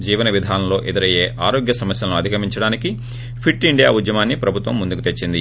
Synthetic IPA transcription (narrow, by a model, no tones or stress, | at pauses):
d͡ʒiːʋɐnɐʋid̪ʱaːnɐmlo̞ːʔed̪iɾɐje̞ːʔaːɾo̞ːɡjɐsɐmɐsjɐlɐnuɐd̪ʱikɐmiɲt͡ʃɐɽaːniki | pʰiʈːiɳɖija̰ːud̪jɐmaːnːipɾɐbʱut̪ʋɐmːund̪ukut̪e̞t͡ʃːind̪i